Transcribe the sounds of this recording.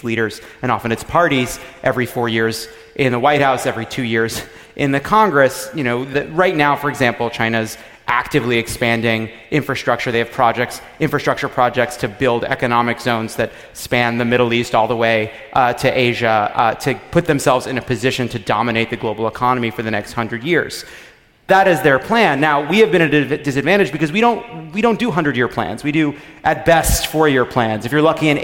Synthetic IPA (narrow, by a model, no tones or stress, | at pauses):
liɾə˞z̥ɨ̃ñɑfɨ̃ñɨtspʰɑɹɾizʔɛvɹifɔɹjɪɹz | ʔɪ̃nðəwaɪt̚haʊsɛvɹitʰʉjɪɹz | ʔɪ̃nðɨkʰɑ̃ŋɡɹɨsjɨñoʊðɨɹaɪtⁿnaʊfə˞ɨɡzæ̃mpl̩ˠt͡ʃʰãɪ̃ñɨz | ʔæk̚tɨvliɨkspæ̃ndɪ̃ŋ | ʔɪ̃ɱfɹɨstɹ̥ʌk̚t͡ʃə˞ðeɪɨv̥pʰɹ̥ɑd͡ʒɛk̚ts | ɪ̃ɱfɹɨstɹ̥ʌk̚t͡ʃə˞pʰɹ̥ɑd͡ʒɛk̚tstʰɨbɪlˠdɛ̰kɨnɑmɨkz̥õʊ̃nzðɨt̚ | spæ̃nðɨmɪɾl̩ˠistɔlˠðəweɪ | ɾɨʔeɪʒɨɾɨpʰʊt̪̚ðɨ̃msɛlˠvzɨ̃nɨpʰɨzɪʃɨ̃ntʰɨdɑmɨneɪt̪̚ðɨɡloʊbl̩ˠəkʰɑnəmifə˞ðɨnɛkst̚hʌ̃ndɹɨdjɪɹz̥ | ðəɾɨzðə˞pʰl̥æ̃nːaʊwiɨvbɨ̃ɾ̃ɨɨdɨs̬ɨdvæ̃ɾ̃ɨd͡ʒbɨkʌzwiɾõʊ̃nt̚wiɾõʊ̃nd̥ɨɦʌ̃ndɹɨdjɪɹpʰl̥æ̰̃nzwidɨʔɨt̚b̥ɛstfə˞jə˞pʰl̥æ̃nzɨfjə˞lʌkiɨ̃n